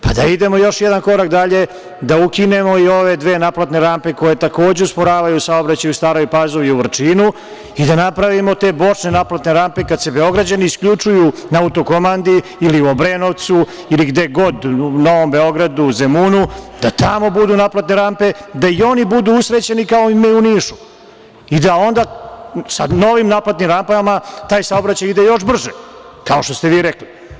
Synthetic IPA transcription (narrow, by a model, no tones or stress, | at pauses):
pa̰d̪aid̪e̞mo̞jo̞ʃjɛd̪anko̞ɾak̚d̪aʎe̞ | d̪aukine̞mo̞io̞ʋe̞d̪ʋe̞ːnaplˠat̪ne̞ɾampe̞ko̞je̞t̪ako̞ːd͡ʑeuspo̞ɾaːʋajusao̞bɾat͡ɕajust̪aːɾojpaːzo̞ʋiuʋr̩t͡ʂinu | id̪anapɾaʋimo̞t̪e̞ːbo̞t͡ʂne̞naplˠat̪ne̞ɾampe̞kad̪se̞be̞o̞ɡɾad͡ʑaniːskʎut͡ʂujunaaut̪o̞ko̞mand̪iːliuobɾeno̞ʋt̪su | iliɡd̪eɡo̞d̪uno̞ʋo̞mbe̞o̞ɡɾad̪uzemuːnud̪at̪amo̞bud̪unaplat̪neɾampe̞d̪aio̞nibud̪uusɾet͡ɕe̞nikao̞imeuniːʃu̥ | id̪ao̞nd̪asano̞ʋimnaplat̪nimɾampamat̪aːjsaobɾat͡ɕajid̪ejo̞ʃ̬br̩ʒe | kao̞ʃt̪ost̪eʋiːɾekli